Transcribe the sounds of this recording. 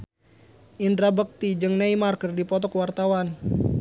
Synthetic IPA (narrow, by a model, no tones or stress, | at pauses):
ʔindɾabək̚t̪id͡ʒɨŋnaimarkərdipɔt̪̬ɔkwart̪awan